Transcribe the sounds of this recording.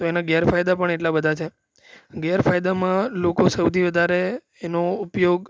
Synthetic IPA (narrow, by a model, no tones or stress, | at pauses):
t̪oenaɡɛjaɾfajd̪apəɳeʈlabəd̪ʱat͡ʃʰe | ɡɛjaɾfajd̪amãlokosəwt̪iʋəd̪ʱaɾeː | noupjoɡ